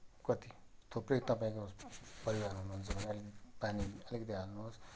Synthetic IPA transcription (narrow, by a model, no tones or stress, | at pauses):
kʌt̪it̪ʰoprekt̪ʌpãĩkopʌɾibanɦunuɦunt͡sʰʌbʌniʌlikpaniʌlikʌt̪̬iɦalnuɦos